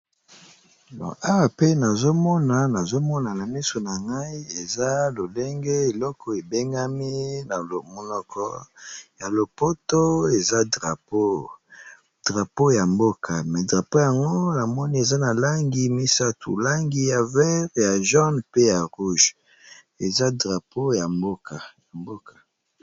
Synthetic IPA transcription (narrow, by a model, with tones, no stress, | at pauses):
nɔ̰˨a˦wa˨pe˦na˨zo˦mɔ˦na˨na˨zo˦mɔ˦na˨na˨mi˦so˨na˨ŋɡa˦i˦e˨za˦lo˨le˦ŋɡe˦e˨lɔ˦kʰɔ˨e˨be˦ŋɡa˦mi˦na˨mo˦nɔ˦kʰɔ̰˦ja˨lo˨po˦to˦e˨za˦dʁa˨po˦ | d̥ʁa˨po˦ja˨mbo˦kʰa˨mɛ˨dʁa˨po˦ja˨ŋɡo˦na˨mɔ˦ni˦e˨za˦na˨la˦ŋɡi˦mi˦sa˦tʰṵ˨la˦ŋɡi˦ja˨vɛ˦ʁja˨ʒɔ˦npe˦ja˨ʁu˦ʒ | e˨za˦dʁa˨pʰo˦ja˨mbo˦ka˨ja˨mbo˦ka˨